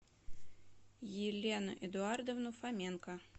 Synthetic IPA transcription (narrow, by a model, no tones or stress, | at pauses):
jɪlʲenʊ̰ʔɪd̪ʊard̪əvnʊfamʲenkə